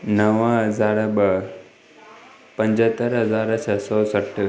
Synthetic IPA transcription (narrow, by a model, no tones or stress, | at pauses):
nəʋəɦɐzaːɾəbə | pə̃ɲd͡ʑət̪əɾɦəzaːɾt͡ʃʰɐsɔsəʈʰ